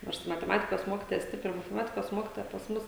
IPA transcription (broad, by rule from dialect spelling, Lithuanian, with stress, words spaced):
ˈnoːrs mɐtʲɛˈmɑːtʲɪkoːs ˈmoːkʲiːtoːjɛ ˈsʲtʲɪpʲrʲɪ mɐtʲɛˈmɑːtʲɪkoːs ˈmoːkʲɪtoːjɛ pɐs ˈmʊs